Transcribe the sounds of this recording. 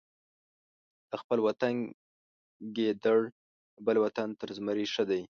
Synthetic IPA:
d̪̥əxpəlwat̪an | ɡed̪əɽ | bəlwat̪ant̪əɾzməɾiʂəd̪aj

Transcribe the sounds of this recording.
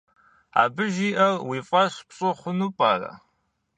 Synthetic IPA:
a̰ːbɨʒiːʔɐrwiːfʼɐɕpɕʼoχʷʊnupʼaːrɐ̰

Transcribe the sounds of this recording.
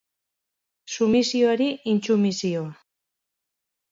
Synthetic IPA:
sumisioaɾiint͡ʃumisioa

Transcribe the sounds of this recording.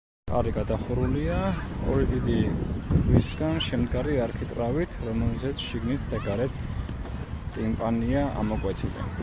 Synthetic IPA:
kʼa̰ɾiɡad̪aχuɾuliaɔ̰ɾid̪id̪ikʰwisɡanʃɛmd̪ɡaɾiaɾkʰit̪ʼɾavit̪ʰɾɔmɛlzɛt̪sʰʃiɡnit̪ʰd̪aɡaɾɛt̪ʰ | t̪ʼimpʼaniaʔa̰mɔkʼwɛt̪ʰilɛ̰

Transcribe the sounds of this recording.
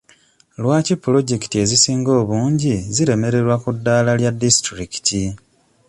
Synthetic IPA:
lwaːcipːulo̞ɟe̞ki̥tie̞zisiːŋɡo̞ːβuːɲɟiziɾe̞me̞ɾe̞ɾwakudːaːlaljadːistɾiki̥tʰi

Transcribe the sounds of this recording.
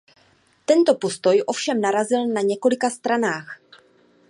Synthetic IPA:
t̪ɛnt̪o̞po̞st̪o̞jʔo̞fʃɛmnaɾazɪlnaɲɛko̞lɪkast̪ɾanaːx

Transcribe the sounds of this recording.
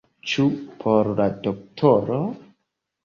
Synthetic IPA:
t͡ʃupʰoɾladok̚tʰoɾo

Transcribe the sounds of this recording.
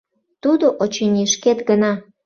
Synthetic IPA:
t̪ud̪oʔot͡ɕenʲiʃket̪ɡənɑ

